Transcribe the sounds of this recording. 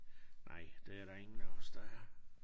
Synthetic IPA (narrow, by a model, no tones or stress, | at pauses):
nʔɑ̰̈ɪ̰d̥eæɐɾ̥ɑ̈e̝ŋn̩ɔsd̥ɑæ